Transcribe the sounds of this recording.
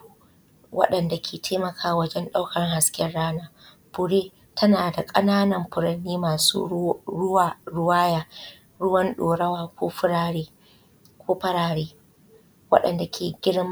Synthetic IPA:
wʔɐ̰˦ɗɐ˨nda˨kʲʰeː˨tʰeː˦mɐ˨kʰaː˦˨wɐ˦d͡ʒɛ˦nɗa˦wkʰɐ˨ŋha˨skʲɪ˦ɛ˦rɽaː˦naː˦ | b̥ʊ˨ɽeː˦ | tʰɐ˦naː˨da˨kʼɐ˦naː˦nɐ˨mɸʊ˨ɾɐ˨nːiː˦maː˨sṵ˦ʊ˦wɾʊ˦waː˦jaː˦ | ɽʊ˦wɐ˦nɗoː˨ɾɐ˦waː˨kʷo̰ː˦ɸʊ˦ɽaː˦ɽeː˦ | kʷoː˦ɸɐ˦ɾaː˨ɽeː˦ | wɐ̰˦ɗɐ̰˨nda˨kʲʰeː˨ɡʲɪ˦ɽm˦

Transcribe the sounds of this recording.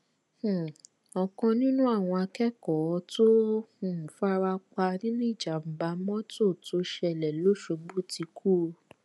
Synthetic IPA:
h̩˨ | ɔ˧kɔ̃˧nĩ˦nũ˦a˦˨w̃ɔ̃˧a˧kɛ˦kɔ˨˧to˦hũ˨fa˦ɾa˧k͡pa˧nĩ˦nũ˦i˦˨d͡ʒa˨m̩˨ba˧˦mɔ̃˦to˦˨to˨˦ʃɛ˧˨lɛ˨lo˦ʃo˧ɡ͡bu˦ti˧kʰu˦˧

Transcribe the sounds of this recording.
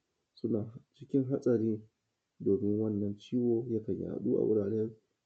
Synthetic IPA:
sʊ˦naː˨t͡ʃɪ˦kʲɪ˦ŋɦa˦sʼɐ˨ɾiː˦ | doː˨mɪ˦ŋwɐ˦nːɐ˨nt͡ʃiː˦woː˨jɐ˦kɐ˨ɲja̰˨a̰˨ɗuː˦ʔa̰˨wʔʊ̰˦ɽaː˨ɾe˦n

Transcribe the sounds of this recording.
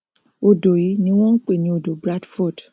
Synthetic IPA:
o˨do˨ji˨˦nĩ˦w̃ɔ̃˦n̩˦k͡pe˦˨nĩ˨˦o˨do˨bɾa˦dfɔ˦˨d

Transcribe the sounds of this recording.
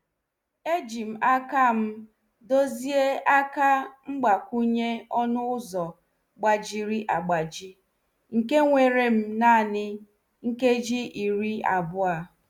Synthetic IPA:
e˦d͡ʒi˨m̩˨a˦ka˦m̩˦ | do˦zi˦e˦a˦ka˦ŋ͡m̩˦ɡ͡ba˨kʷu˦ɲe˦ɔ˦nʊ˦ʊ˦zɔ˨ | ɡ͡ba˨d͡ʒi˨ɾi˦ʔa˨ɡ͡ba˨d͡ʒi˦ | ŋ̩˨ke˦ŋʷe˨ɾe˨m̩˦na˦˨nɪ˦ | ŋ̩˦ke˦d͡ʒi˦ʔi˨ɾi˦a˨bʊ˦a˨

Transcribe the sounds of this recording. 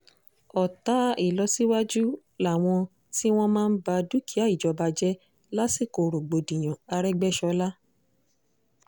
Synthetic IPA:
ɔ˨ta˨˦i˦˨lɔ˧˦si˦wa˦d͡ʒu˦ | la˨w̃ɔ̃˧ | ti˦w̃ɔ̃˦mãː˦n̩˦ba˧du˦ki˨˦a˦˨i˦˨d͡ʒɔ˨˧ba˧d͡ʒɛ˦ | la˦si˦˨ko˨ɾo˨ɡ͡bo˨dĩ˨j̃ã˨a˧ɾɛ˦ɡ͡bɛ˦ʃɔ˧la˦

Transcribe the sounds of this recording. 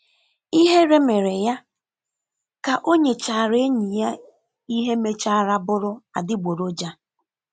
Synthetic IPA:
i˦ɦe˦ɾe˦me˨ɾe˨ja˦ | ka˨ʔo˦ɲe˨t͡ʃa˨ɾe˦ɲi˨ja˦ | i˦ɦe˦me˦t͡ʃa˦ɾa˦bʊ˦ɾʊ˦a˨dɪ˦ɡ͡bo˨ɾo˦d͡ʒa˦

